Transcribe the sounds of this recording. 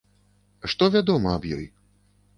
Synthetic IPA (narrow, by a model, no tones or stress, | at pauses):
ʂt̪ɔvʲad̪ɔmɐɐbjɔ̰j